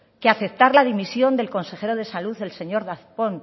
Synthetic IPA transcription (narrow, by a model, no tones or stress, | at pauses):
keaθe̞p̚t̪aɾlað̞imisjo̞nd̪e̞lko̞nse̞xe̞ɾo̞ð̞e̞saluðe̞lse̞ɲo̞ɾðaθpo̞n